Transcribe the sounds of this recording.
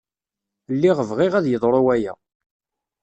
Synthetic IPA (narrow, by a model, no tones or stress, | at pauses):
lːiʁəvʁɪʁæðjəðˤɾˤowæjæ̰